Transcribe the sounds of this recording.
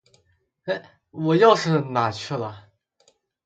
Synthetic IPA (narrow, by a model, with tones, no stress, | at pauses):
e˥ɪ | wɔ˨˩jɑ˥˧ʊʂɻ̩˥˩na˨˩t͡ɕʰy˥˩lə˩